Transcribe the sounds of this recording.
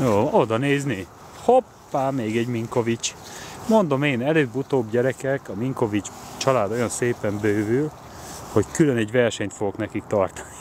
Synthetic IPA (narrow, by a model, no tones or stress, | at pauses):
joːod̪ɒneːzni | hopːaːmeːɡɛɟmiŋko̞vit͡ʃmo̞nd̪o̞meːnɛløːbut̪oːbɟɛɾɛkɛkɒmiŋko̞vit͡ʃt͡ʃɒlaːd̪o̞jɒnseːpɛmbøːvyl | ho̞ckylønɛɟʋɛrʃɛɲt̪foɡo̞knɛkik̚t̪ɒrt̪ɒ̥ni̥